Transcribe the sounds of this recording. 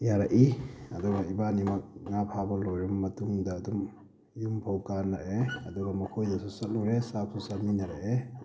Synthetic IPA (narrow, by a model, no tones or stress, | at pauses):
jaɾaʔiɐ̰duɡɐibanimɐk̚ŋapʰabɐlɔjɾɔmːɐtuŋdaːdum | jumpʰawkaɾnaɾeɐ̰duɡɐmɔkʰojdɐsusɐt̚nuɾesap̚susaminaɾaʔe